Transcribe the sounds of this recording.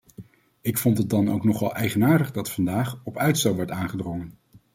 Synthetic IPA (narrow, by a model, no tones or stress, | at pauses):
ɪkfɔntɦədɑno̰wknɔχɑlˠʔɛjχənaːɹdəχdɑtfɑndaːχɔpœɥtstowʋɛɹtaːnχədrɔŋən